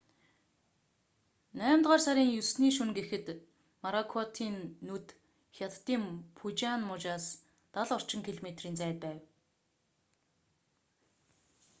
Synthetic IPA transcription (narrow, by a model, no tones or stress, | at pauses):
næːmt̪ʁaːrsaɾʲiːŋjusniːʃunɡexɘ̆t̪ | maɾakʰɔt̪ʰiːnːut̪ | xʲjat̪ːiːmpʰut͡ɕanmʊt͡ɕaːs | t̪aɮɔr̥t͡ɕɪ̆ŋkʰiɮomet̪riːnt͡sæːt̪̚pæːw